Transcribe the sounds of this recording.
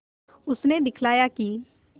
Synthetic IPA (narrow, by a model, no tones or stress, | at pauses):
ʊsned̪ɪkʰlaːjaːki